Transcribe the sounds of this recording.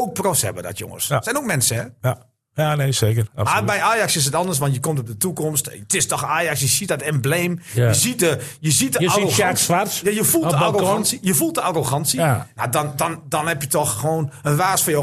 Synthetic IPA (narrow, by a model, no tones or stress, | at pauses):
ok̚prosɛ̰bədɔ̰tʰjo̰ŋə̰ssɛnok̚mɛnsəɛ | jaːneːseːkəramabɛjaːjaksɪs̬ətɔndərs̬ʋɔntjəkomtɔp̚dətukɔmstətɪstɔxaːjaksjəsiədɔtɪnbleːmjəzit̚dəjəzit̚dəaoʋasjajəfulˠdəaronnsijəfulˠt̚dəaroɣɑnsijadɔndɔndɔnhɛpjətɔxxəʋoːnənʋaːsfɔjo